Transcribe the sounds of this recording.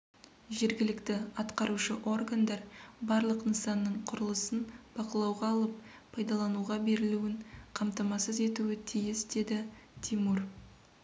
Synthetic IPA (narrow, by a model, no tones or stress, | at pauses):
ʒe̞ɾɡʲɪlɪkt̪ɪɑt̪qɑɾuʃəʔo̞rɡand̪ɑɾbɑɾlˠəqnəsɑnːəɴqʰʊɾəlˠəsənb̥ɑqəlˠɑwʁɑːlˠəp̚ʰ | ɑjd̪ɑlˠɑnuʁɑbe̞ɾɪluwɪɴqʰɑmt̪ɑmɑsəze̞t̪uwɪt̪ʰijɪsd̪e̞d̪ɪt̪ʰimur